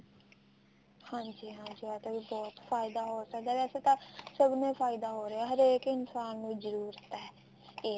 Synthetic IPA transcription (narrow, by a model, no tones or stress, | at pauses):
hãːd͡ʒiːɦãːd͡ʒiːɛːt̪ːbibɔːt̪fʰaːɪd̪aːɦoːsəkd̪aːʋɛːseːt̪aːsəbnẽːpʰaːɪd̪aːɦoːɾeɛːɦəɾeːkɪnsaːnːũːzəɾuːɾət̪ːɦɛː | eː